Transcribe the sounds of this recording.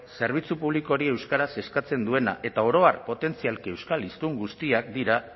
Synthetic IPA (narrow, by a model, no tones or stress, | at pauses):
se̞ɾβ̞it͡supuβ̞liko̞ɾie̞wskaɾase̞skat͡se̞nd̪ue̞na̰ʔe̞t̪ao̞ɾo̞arpo̞t̪e̞nt͡sialkewskalist̪uŋɡust̪iakd̪iɾa